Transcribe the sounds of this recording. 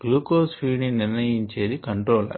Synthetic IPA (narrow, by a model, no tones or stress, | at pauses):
bluːkoːsfiːniniɾnɐjiɲt͡ʃe̞ːd̪ikɐɳʈɾoːlɐ̰